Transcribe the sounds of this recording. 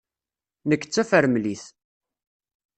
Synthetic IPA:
nəkːə̥t͡sːæfəɾmliθ

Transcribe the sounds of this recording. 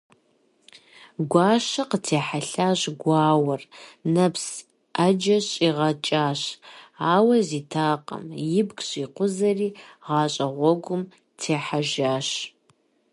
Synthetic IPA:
ɡʷaːʃɐqətʰeːħaɬaːɕɡʷɑːwɐrnɐps | ad͡ʒɐɕʼiːʁɐt͡ʃʼaːɕaːwɐziːtʰaːqʼɐ̰mjɪbɡɕʼiːqʷʊzɐriːʁɑːɕʼɐʁʷɔɡʷʊm | tʰeːħaʒaːɕ

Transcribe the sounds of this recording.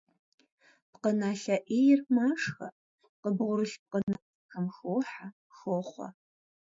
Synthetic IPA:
pqənaːɬɐʔeːjɪrmaːʂxɐ̰ | qəbʁʷʊɾɨɬp̚qənat͡sxɐmxoːħa | xoːχʷɐ̰

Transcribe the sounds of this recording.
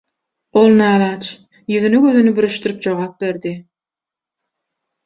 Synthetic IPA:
olˠnæːlɑːt͡ʃʰ | jyðynyɡøðynybyɾyʃt̪yɾyp̚d͡ʒoʁɑːp̚be̞ɾd̪i

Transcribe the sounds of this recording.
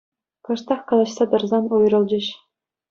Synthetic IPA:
kɤ̆ʃt̪ɑχkɑlˠɑt͡ɕsɑd̪ɤ̆rzɑnojɾɤ̆lˠd͡ʑĕɕ

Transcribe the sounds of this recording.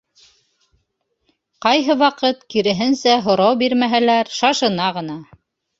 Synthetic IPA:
qɑjɦɤwɑqɤt̪kiɾɘ̆ɦɘnsæɦŏɾɑwbiɾmæɦælæɾʃɑʃɤ̆nɑʁɤ̆nɑ

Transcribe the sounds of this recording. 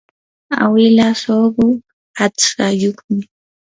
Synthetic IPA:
a̰wɪlasoɢʊ | at͡sajoχmɪ

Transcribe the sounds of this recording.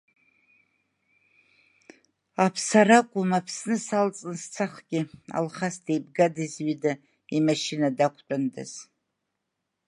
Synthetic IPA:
apʰsaɾakʷʼʊmapʰsnɨsalt͡sʼɨnst͡sʰaχɡʲɪa̰lχasdejb̚ɡadizɥida | imaʃinadakʷʰt͡pʼandɨ̰z̥

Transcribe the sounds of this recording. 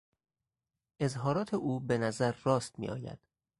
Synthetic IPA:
ʔe̞zɦɒːɾɒːt̪ʰeʔuːbe̞næzæɾːɒːst̪mḭːʔɒ̰ːjæ̰d̪̥

